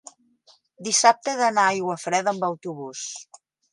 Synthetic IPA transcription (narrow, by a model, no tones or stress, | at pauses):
d̪isap̚t̪əðənajɣwəfɾɛðəmbəwt̪uβus